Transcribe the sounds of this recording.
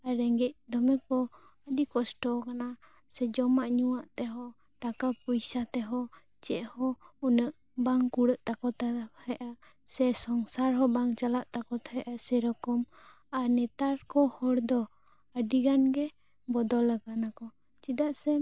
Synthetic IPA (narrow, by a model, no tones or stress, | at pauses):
aɾɛŋɡɛc̚d̪ɔmɛkɔ | əɖikɔsʈɔkana | sɛd͡ʒɔmaʔɲuwaʔt̪ɛɦɔ | ʈakapujsat̪ɛɦɔ | t͡ʃɛʔhɔunəʔ | baŋkuɽəʔt̪akɔt̪ahaʔa | sɛsɔŋsaɾɦɔbaŋt͡ʃalaʔt̪akɔt̪ʰɛjʔasɛɾɔkɔm | anɛt̪aɾkɔhɔɽd̪ɔ | əɖiɡanɡɛ | bɔd̪ɔlːəɡanakɔ | t͡ʃid̪aʔsɛ